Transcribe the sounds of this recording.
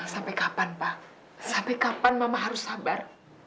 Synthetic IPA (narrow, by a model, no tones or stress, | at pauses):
sampɛkapanpa | sampɛkapanmamaɦaɾʊsːabar